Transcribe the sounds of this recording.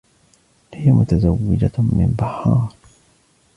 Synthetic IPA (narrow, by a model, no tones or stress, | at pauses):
hɪjamʊt̪azawːɪd͡ʒamɪ̰mbahːɑːɾɾ